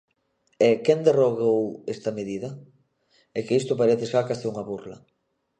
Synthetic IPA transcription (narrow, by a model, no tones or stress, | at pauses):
ɛkɛnd̪eroɣowest̪ɐmeðiðɐ | ɛkɪist̪ʊpaɾeθeʃakaseuŋɐβurlɐ̰